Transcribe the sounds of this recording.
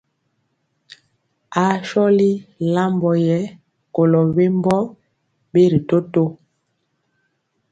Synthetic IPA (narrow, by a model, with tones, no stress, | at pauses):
a˨˦ʃɔ˦li˦la˦mbɔ˨jɛ˨˦ | ko˨lɔ˨be˦mbɔ˦ | be˦ɾi˨to˦to˦